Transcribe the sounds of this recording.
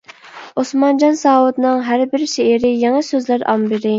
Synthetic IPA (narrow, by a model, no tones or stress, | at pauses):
osmɑnd͡ʒɑnsɑːwut̪nɨŋɦæɾbɪɾʃeːɾɪjɑŋɑsøzlæɾʔɑ̰mbɪɾɪ